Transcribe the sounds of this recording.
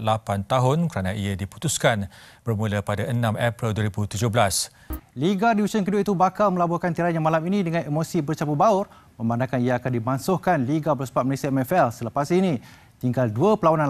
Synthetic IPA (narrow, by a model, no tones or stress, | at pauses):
lapant̪aɦʊnkəɾanãiadipu̥t̪uskanb̥ərmũlapadaʔənãmapɾilduəɾibut̪ud͡ʒohbəlas | liɡadiit͡ʃənkəduaʔit̪ubakalmə̃labɔkant̪iɾanɲamãlaminĩdəŋãnemosibərt͡ʃabubaʊr | mə̃mbanakaniaakandimansʊhkanliɡabəlsbat̪̚məlesiaɛmɛfɛlsələpasini | t̪iŋɡalduəpəlawanan